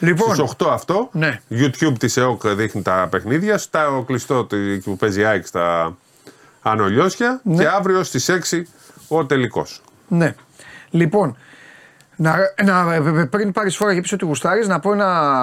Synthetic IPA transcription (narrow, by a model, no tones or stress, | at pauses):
lipsoisoxt̪o̞ɐft̪o̞neʝut̪çubt̪iseo̞kðixnit̪ɐpe̞xniðʝɐst̪ɐoklist̪o̞t̪icupe̞ziɐikst̪ɐ | no̞ʎo̞sçɐce̞ɐvɾiost̪ise̞ksi | o̞t̪e̞liko̞̰s | ne | lipo̞n | nɐnɐpɾinpɐɾisfo̞ɾɐʝepisot̪iɣust̪ɐɾiznɐpoenɐ